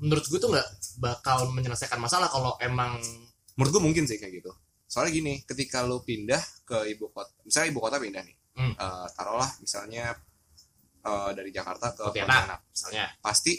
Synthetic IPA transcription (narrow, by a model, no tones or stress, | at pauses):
mənəɾʊt̪̚ɡuat̪ʊŋɡaʔbakalməɲələsajkanmasalahkaloʔemaŋ | məɾʊt̪̚ɡuamuŋkɪnsɪhkajaɡit̪u | soalaɡinikət̪ikalupindahkəibukot̪̚amisalɲaibukot̪apindahnɪ̰h | ʔəːt̪aɾolahmisa̰lɲa | ədaɾid͡ʒaka̰rt̪akət̪ianana̰misalɲapast̪i